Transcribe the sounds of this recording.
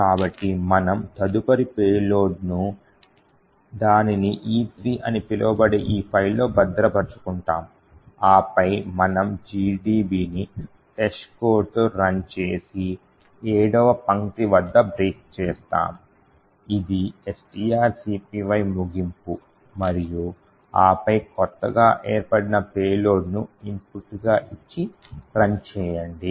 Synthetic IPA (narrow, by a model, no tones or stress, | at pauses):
kaːbɐʈːimɐnɐmt̪ɐd̪upɐɾipeːloːɖnu | d̪aːniniʔiːt̪ʰɾiːʔɐnipilɐʋɐbɐɽeʔiːpʰɐjllo̞ːbɐd̪ːɐɾɐbɐɾt͡ʃu̥kuɳʈa̰ːm | aːpɐjmɐnɐmd͡ʒiːɖiːbiːni | ʈɐʃkoːɾʈoɾɐnt͡ʃeːsi | eːɽɔʋɐpɐŋt̪iʋɐd̪ːɐbɾiːk̚t͡ʃɛːst̪a̰ːm | id̪iesʈiːaːɾsiːpiːʋɐjmuɡimpu | mɐɾiju | aːpɐjkɔt̪ːɐɡaːʔeːɾpɐɽinɐpeːlo̞ːɽnuimpuʈɡaːʔit͡ʃːi | ɾɐnt͡ʃɛːjɐɳɖi